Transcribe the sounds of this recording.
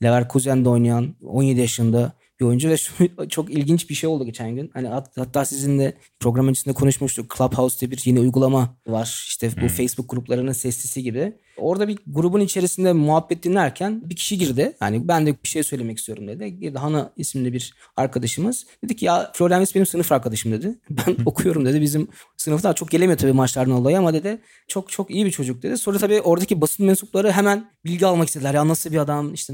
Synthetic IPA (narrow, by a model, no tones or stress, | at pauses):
lʲevæɾkʰuzænd̪ɛo̞jnajano̞nje̞d̪ijaʃɯnd̪a | b̥io̞jund͡ʒuvɛʃut͡ʃʰo̞kilʲɟint͡ʃbiʃe̞jod̪uɟʲe̞t͡ʃʰænɟynhanihahat̪ʰːaːsizind̪ɛ | pʰɾo̞ɡɾamɯat͡ʃisind̪ɛkʰo̞nuʃmuʃt̪ʰukʰlˠaphausd̪ʰɛbiɾje̞niujɡulˠamavaɾ̥iʃt̪ʰɛbufejsbuk̚ɡuɾuplˠaɾɯnɯnsɛst̪ʰisiɟibɪ | o̞ɾd̪abiɡuɾubunit͡ʃʰe̞ɾisind̪ɛmuɦabːɛt̪lːinʲæɾcʰænbicʰi̥ʃiɟiɾd̪ɪha̰nibænd̪ɛb̥i̥ʃejsø̞jlʲe̞mɛcist̪ʰijo̞ɾumd̪e̞d̪ɪded̪iɦanaismiibiɾ | aɾkʰad̪aʃɯmɯz̥d̪e̞d̪icʰːijaflʲo̞ɾlʲænmisbe̞nimsɯnɯfaɾkʰad̪aʃɯmd̪e̞d̪ɪbæno̞kʰujo̞ɾumd̪e̞d̪ibizim | sɯnɯfd̪at͡ʃʰo̞k̚ɟelʲemijot̪ʰabiːmat͡ʃlˠaɾd̪aalˠajamad̪e̞d̪ɪ | t͡ʃʰokt͡ʃʰo̞kijibit͡ʃʰo̞d͡ʒuk̚d̪e̞d̪isonɾat̪ʰabiːʔo̞ɾd̪acʰibasɯnmɛnsuplˠaɾɯɦemænbilʲɟialˠmakist̪elʲæɾjaːnasɯlˠbiad̪amiʃt̪ʰɛ